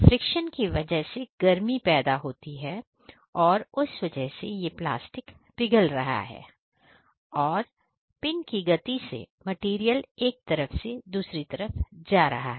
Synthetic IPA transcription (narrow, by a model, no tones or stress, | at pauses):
fɾɪkʃənkiʋɐd͡ʒəɦseɡ̥ɐɾmipɛːd̪aɦoːt̪iɦɛː | ɔːɾʊsʋɐd͡ʒəɦsejepla̰ːsʈɪk | bɪɡəlɾɐɦa̰ɦɛ̰ː | ɔːɾ | pɪnkiɡɐt̪isḛmɐʈiːɾijəleːk̚t̪ɐɾəfsed̪uːsɾit̪ɐɾəfd͡ʒaːɾɐ̰ɦa̰ɦɛː